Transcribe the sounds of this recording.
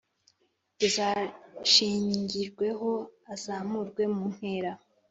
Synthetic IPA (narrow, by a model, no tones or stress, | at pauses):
uzaʃiːɲiɲɟiɾɡwe̞ɦo̞azamuɾɡwe̞mun̥he̞ɾa